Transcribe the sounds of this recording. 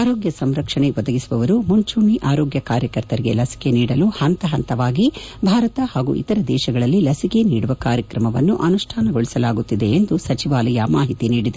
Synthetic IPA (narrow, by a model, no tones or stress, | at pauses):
aːɾoːɡjɐsɐmɾɐkʂɐɳeʋɔd̪ɐɡisuʋɐʋɐɾumuɲt͡ʃuɳːiʔaːɾoːɡjɐkaːɾjɐkɐɾt̪ɐɾiɡe̞̰lɐsi̥ke̞niːɽɐluhɐnt̪ɐɦɐnt̪ɐʋaːɡi | bʱaːɾɐt̪ɐhaːɡṵʔḭt̪ɐɾɐd̪ɛːʃɐɡɐɭɐlːilɐsike̞niːɽuʋɐkaːɾjɐkɾɐmɐʋɐnːuʔɐnuʂʈʰaːnɐɡo̞ɭisɐlaːɡut̪ːid̪e̞ːnd̪usɐt͡ʃiʋaːlɐjɐmaːɦit̪iniːɽid̪e